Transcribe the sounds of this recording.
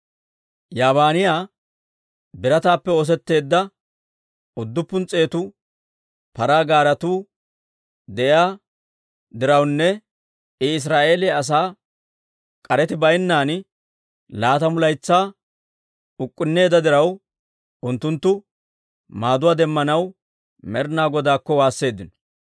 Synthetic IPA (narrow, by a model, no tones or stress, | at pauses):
jaːbaːnɪjaː | bɪɾɐt̪aːpːɛo̞ːs̬ɛt̪ːe̞ːd̪ːɐ | ʊd̪ːʊpːʊnt͡sʼːe̞ːt̪ʊ | pɐɾaːɡaːɾɐt̪uː | d̪ɛʔɪjaː | d̪ɪɾɐwnːɛ | ɪɪs̬ɾaːʔe̞ːlɛɐs̬aː | kʼɐɾɛt̪ɪbɐjnːaːn | laːt̪ɐmʊlɐjt͡sːaː | ʊkʼːʊnːe̞ːd̪ɐd̪ɪɾɐw | ʔʊnt̪ːʊnt̪ːʊ | maːd̪ʊwaːd̪ɛmːɐnɐw | mɛɾnaːɡɔd̪aːkːɔwaːsːe̞ːd̪ːɪnɔ̥